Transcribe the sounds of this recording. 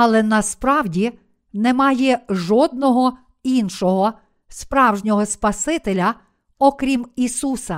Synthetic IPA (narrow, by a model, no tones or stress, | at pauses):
ɐlˠɛnɐspɾɑwdʲi | nemɑjɛʒɔd̪̚nɔɦɔ | inʃɔɦɔ | spɾɑwʒnʲɔɦɔspɐsɪt̪elʲɐ | ɔkɾʲimisusɐ